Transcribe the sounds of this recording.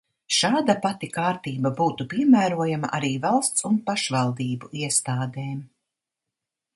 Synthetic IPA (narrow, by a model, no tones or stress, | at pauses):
ʃaːd̪apat̪ikaːɾt̪iːbabuːt̪upiɛmæːɾuɔjama̰ʔaɾiːvalˠst̪sunpaʃvalˠd̪iːbuiɛst̪aːd̪eːm